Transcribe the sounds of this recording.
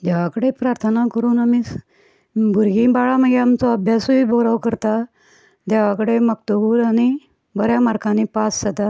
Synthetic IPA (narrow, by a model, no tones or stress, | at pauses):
d͡ʑ̪aʋakəɽepɾaɾt̪ʰənakəɾuːnamis | ɡʱuɾɡĩbaɭaməɡeamt͡sɔəbʱjasuiːbɔɾawkəɾt̪a | d̪aʋakəɽeməkt̪əbuːlañi | bəɾjamaɾkãnipassad̪a